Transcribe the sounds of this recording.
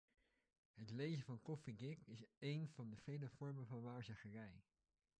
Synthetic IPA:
ɦətlejzəvɑnkɔfiɡɪkɪsejnv̥ɑndəv̥ejləv̥ɔɹməvɑnʋaːɹzaχərɛj

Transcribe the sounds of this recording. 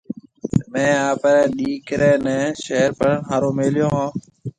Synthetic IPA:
mɛ̃ːaːpəɾɛ̃ːɗiːkɾɛ̃ːnɛ̃ːʃeːəɾpəɽəɳɦaːɾoːmeːljõːɦãː

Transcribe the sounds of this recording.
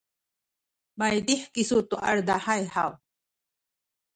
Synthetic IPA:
majd̪iħkisut̪uʔa̰ɾd̪ahajha̰w

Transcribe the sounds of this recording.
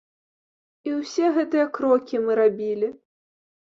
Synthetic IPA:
iwsʲɛɣɛt̪ɨjɐkɾɔkʲimɨɾabʲilʲi

